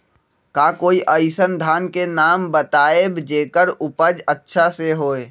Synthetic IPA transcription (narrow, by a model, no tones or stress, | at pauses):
kaːkoːiʔəɪsənd̪ʱaːnkenaːmbət̪aːebd͡ʒeːkəɾʊpəd͡ʒətːʃʰaseɦoːe